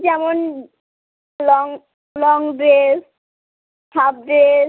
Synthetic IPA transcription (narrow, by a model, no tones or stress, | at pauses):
d͡ʒɛmon | lɔŋ | lɔŋbeɾ | bʰab̚de